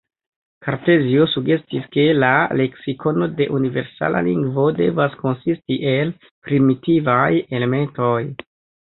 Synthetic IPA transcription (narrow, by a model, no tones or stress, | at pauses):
kʰaɾte̞ziosuɡe̞stiske̞lale̞ksikʰo̞node̞ʔunive̞ɾsa̰la̰lḭŋɡvo̞de̞̰vasko̞nsistiʔe̞l | pɾimitivaje̞le̞me̞nto̞j